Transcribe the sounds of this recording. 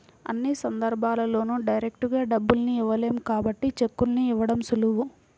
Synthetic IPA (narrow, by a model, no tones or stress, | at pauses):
ɐ̰nːisɐnd̪ɐɾbʱaːlɐlo̞ːnuɖɐjɾe̞k̚ʈuɡaːɖɐbːulɐniːʋɐle̞ːmukaːbɐʈːit͡ʃekːulniːʋɐɽɐmsuluʋu